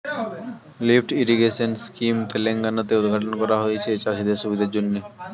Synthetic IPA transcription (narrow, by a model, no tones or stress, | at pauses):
lifʈiɾiɡeʃonskimt̪eleŋɡanot̪eod̪ʱɡʱaʈonkɔɾaɦoet͡ɕʰet͡ɕaʃid̪eɾʃubʱid̪ʱaeɾd͡ʑonːe